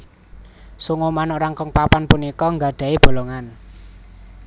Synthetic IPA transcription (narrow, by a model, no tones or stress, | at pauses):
suŋomanɔʔɾaŋkɔŋpapanpunikɔŋɡaɖ̥ä̤eb̥o̤loŋan